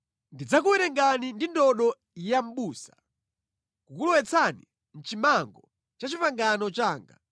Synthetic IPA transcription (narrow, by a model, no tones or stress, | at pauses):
ndid͡zakuwɛɾɛŋɡanindindɔɗɔ | jam̩ɓuːsḁ | kukulɔwɛt͡sʰani | n̩t͡ʃimaŋɡɔ | t͡ʃat͡ʃipaŋɡanɔt͡ʃaːŋɡa